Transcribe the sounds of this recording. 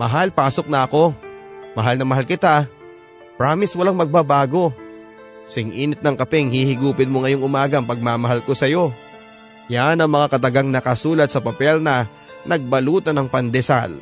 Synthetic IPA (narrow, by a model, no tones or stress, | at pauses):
mɐɦalpaːso̞k̚nɐʔɐko̞mɐɦalnɐmɐɦalkɪt̪a | pɾaːmɪswɐlaŋmɐɡ̚babaːɡo̞ | sɪŋʔiːnɪt̪nɐŋkɐpɛŋhihɪɡuːpɪnmoŋɐjo̞ŋʔʊmaːɡɐŋpɐɡ̚maːmɐɦalko̞sɐjo̞ | janɐŋmɐŋakɐt̪ɐɡaŋnɐkɐsuːlɐt̪̚sɐpɐpɛlnɐ | nɐɡ̚bɐluːt̪ɐnɐŋpɐnd̪ɛsa̰l